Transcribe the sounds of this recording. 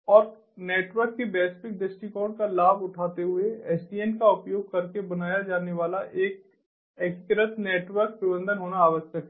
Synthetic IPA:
ɔːɾ | neːʈʋəɾkːebɛːspɪk̚d̪ɪsʈikɔːɾɖkalaːbʊʈʰaːt̪eɦʊeɛsɖiːɛnkaʊpjoːɡ̚kɐɾkebɐnaːjad͡ʒaːneʋaːlaʔeːk̚ | ɛːkkɾət̪neːʈʋəɾk̚pɾɪbə̃nd̪ənɦoːnaːʋəʃjəkɦɛ

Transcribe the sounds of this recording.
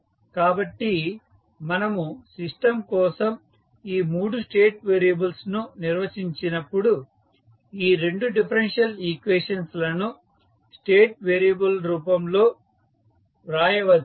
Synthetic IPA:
kaːbɐʈːi | mɐnɐmusiʂʈɐmkɔːsɐm | iːmuːɽusʈe̞ːʈ̚ʋeːɾijɐbɐlsnuniɾʋɐsiɲt͡ʃinɐpːuɽu | iːɾe̞ɳɖuɖipʰɐɾenʂjɐlikʋeːʂɐnslɐnu | sʈe̞ːʈ̚ʋeːɾijɐbɐlɾuːpɐmlo̞ː | ɾaːjɐʋɐ

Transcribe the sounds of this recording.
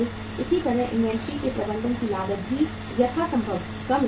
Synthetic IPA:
ɪsit̪ɐɾəɦʔɪ̰̃nʋɛ̃ːnsɾikepɾɐbə̃nd̪ənkilaːɡət̪̚bʱi | jɐt̪ʰasɐ̃mbʱəb | kɐm

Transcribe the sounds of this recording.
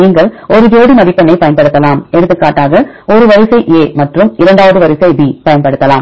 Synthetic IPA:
niːŋɡɐɭɔɾɯd͡ʒoːɽimɐʋɪpːɐnːɐɪpɐjɐnpɐɽɯt̪ːɐlaːmɛɽɯt̪ːɯkːaːʈːaːɣɐ | ɔɾɯʋɐɾɪsɐɪʔeːmɐʈrɯmɪɾɐɳɖaːʋɐðɯʋɐɾɪsɐɪbiːpɐjɐnpɐɽɯt̪ːɐlaːm

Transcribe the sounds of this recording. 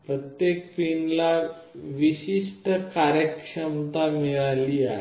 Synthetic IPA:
pɾət̪jekpinla | ʋiɕiʂʈəkaɾjəkʂəmt̪amiɭaliːaɦe

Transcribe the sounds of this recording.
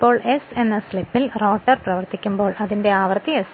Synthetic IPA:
pːo̞ːɭe̞se̞nːɐslipːilro̞ːʈːɐrprɐʋɐrt̪ikʲːumbo̞ːɭʔɐðinde̞aːʋɐrt̪ːies

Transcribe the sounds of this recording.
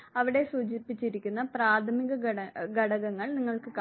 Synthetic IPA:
ɐʋiɽe̞suːt͡ɕipːit͡ɕːiɾikʲːunːɐpraːt̪ʰɐmiɣɐɐɡɐɽɐɣɐŋːɐɭniŋːɐɭkɨka

